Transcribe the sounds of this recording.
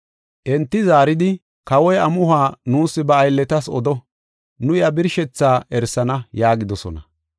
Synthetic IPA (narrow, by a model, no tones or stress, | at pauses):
ʔɛnt̪ːɪzaːɾɪd̪ɪ | kɐwɔjɐmʊhaːnuːsːɪbɐːjlːɛt̪ɐsɔd̪ɔ | nʊjɐbɪɾʃɛt͡sːaːɛɾsɐnɐjaːɡɪd̪ɔsɔnɐ